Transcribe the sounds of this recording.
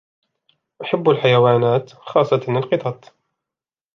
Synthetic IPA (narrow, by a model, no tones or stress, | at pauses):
ʔaħabːalħajawaːnaːt̪xɑːsˤːɑlɪlqɨt̪ˤɑt̪ˤ